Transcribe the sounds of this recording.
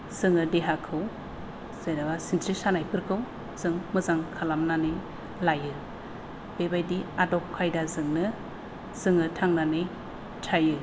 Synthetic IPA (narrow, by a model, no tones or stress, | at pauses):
z̥ɯŋɯdeɦakʰɯw | z̥ejnaɡasintʰɾisanajpʰɯɾkʰɯw | z̥ɯŋmɯzaŋkʰalamnanɯj | lajɯ | bebajdiadɔp̚kʰajdazɯŋnɯ | z̥ɯŋɯtʰaŋnanɯj | tʰajɯ